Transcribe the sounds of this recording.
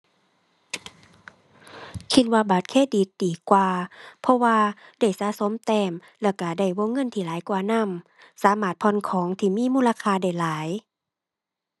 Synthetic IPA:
kʰi˧t̪̚waː˧baː˨˩t̪̚kʰeː˧˥˨diː˨˦t̪̚diː˨˩kwaː˧pʰɔ˧waː˧da˧˩jsaː˨˧˥so˨˦mt̪ɛː˧˩m | lɛː˧˩ka˧˩da˧˩jwoː˧˥˨ŋːɤ˧˥˨nt̪ʰiː˧˩laː˨˦jkwaː˧na˧˥˨m | saː˨˦maː˧˩t̪̚pʰɔ˧˥˨nkʰɔː˨˦ŋt̪ʰiː˧˩miː˧˥˨muː˧˨la˧kʰaː˧˨da˧˩jlaː˨˦j

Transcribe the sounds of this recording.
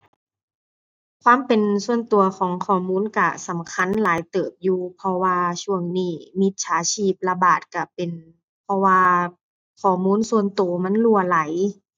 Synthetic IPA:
kʰwaː˧˥˨mpe˨nsu˧ənt̪u˨ɐkʰɔː˨˩˦ŋkʰɔː˨˩muː˧˥˨nka˧˩sa˨˦mkʰa˧˥˨nlaː˨˦jt̪ɤː˨˩p̚juː˧pʰɔ˧waː˧t͡ɕʰu˧˩əŋniː˧˩mi˧˦t̪̚sʰaː˨˦t͡ɕʰiː˧˩p̚la˧baː˨˩t̪̚ka˧˩pe˨n | pʰɔ˧waː˧ | kʰɔː˧˩muː˧˥˨nsu˧ənt̪oː˨˩ma˧˥˨nlu˧˩əla˨˦j

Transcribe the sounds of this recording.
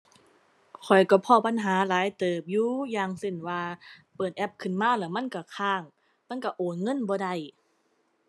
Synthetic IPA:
kʰɔ˨˩jkɔ˧˩pʰɔː˧˩pa˧˥nɦaː˨˦laː˨˦jt̪ɤː˨˩p̚juː˧˦jaː˨˩ŋse˧˩nwaː˧pɤː˨˩t̪̚ʔɛ˧˥p̚kʰɯ˧˩˨nmaː˧˥˨lɛː˧˩wma˧˥˨nka˧˩kʰaː˧˩ŋ | ma˧˥˨nka˧˩ʔoː˨˩nŋɤ˧˥˨nbɔː˧da˧˩j

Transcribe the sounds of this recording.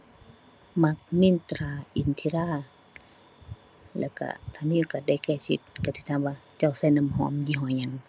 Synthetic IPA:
ma˧˦k̚mi˧˥˨nt̪ɾaː˧˩ʔi˧˨nt̪ʰi˧˨ɾaː˧˨ | lɛ̰ː˧˩wka̰˧˩t̪ʰa˧˩˨niː˧˨ka˧˩da˧˩˨jkɛː˧˩si˧˦t̪̚ka˧˩t̪ʰi˧˩t̪ʰaː˧˨waː˧t͡ɕa˧˩wsa˧˨jna˧˨mhɔ̰ː˧˦mdiː˧˨ɦɔː˧˦ɲa˧˨ŋ

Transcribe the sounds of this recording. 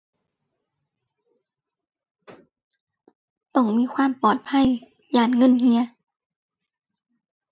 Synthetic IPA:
t̪ɔ˧˩˨ŋmiː˧˥˨kʰwaː˧˥˨mpɔː˨˩t̪̚pʰa˧˥˨j | jaː˨˩nŋɤ˧˥˨nhi˧˥ɐ

